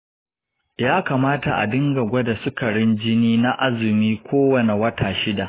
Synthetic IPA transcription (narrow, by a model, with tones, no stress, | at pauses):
jaː˦kaː˨maː˦ta˨ʔa̰˨dɪ˦ŋɡɐ˨ɡʷɐ˦da˨sʊ˦kɐ˨ɽɪ˦nd͡ʒɪ˦niː˦na˦ʔa˦zɪ˨miː˦kʷʰoː˦wɐ˨ne˨wɐ˦taː˨ʃɪ˦da˨ʔ